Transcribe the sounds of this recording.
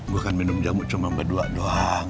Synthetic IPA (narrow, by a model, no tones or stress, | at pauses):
bukanminʊmd͡ʒamuʔt͡ʃumambaduaʔdoa